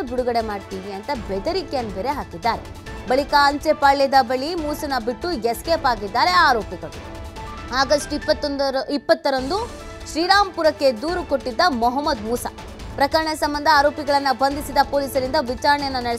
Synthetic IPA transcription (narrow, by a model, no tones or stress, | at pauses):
buɽuɡɐɽe̞maːɖt̪iːʋiɐnt̪ɐbɛd̪ɐɾikejɐnːbeːɾeɦaːkid̪ːaːɾe | bɐɭikɐɐɲt͡ʃepɐɭːɛd̪ɐbɐɭimuːsɐnɐbiʈːujeskeːpaːɡid̪ːaːɾe̞aːɾoːpiɡɐɭu | aːɡɐsʈipːɐt̪ːnd̪ipːɐt̪ːɐɾɐnd̪u | ʃɾiːɾaːmpuɾɐkːe̞d̪uːɾuko̞ʈːid̪ːɐmɔɦɐmːɐd̪muːsɐ | pɾɐkɐɾɐɳɐsɐmbɐnd̪ʱɐaːɾoːpiɡɐɭɐnːɐbʱɐnd̪ʱisid̪ɐpo̞ːliːsɐɾind̪ɐʋit͡ʃaːɾɐɳɛjɐnːɐnɐɽe